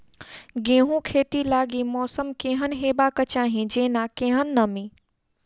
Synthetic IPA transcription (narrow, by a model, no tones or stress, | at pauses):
ɡẽːɦũkʰeːt̪ilaːɡimɔːsəmkẽːɦənɦeːbaːkət͡ʃaːɦĩd͡ʒeːnakẽːɦənːəmĩː